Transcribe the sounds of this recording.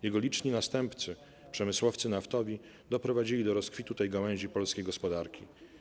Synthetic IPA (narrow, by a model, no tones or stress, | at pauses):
jɛɡɔlʲit͡ʂɲinast̪ɛmpt̪sɘ | pʂɛmɘswɔft̪sɘnaft̪ɔvʲi | d̪ɔpɾɔvad͡ʑilʲid̪ɔɾɔskfʲit̪ut̪ɛjɡawɛ̃ʑipɔlskʲejɡɔspɔd̪aɾkʲi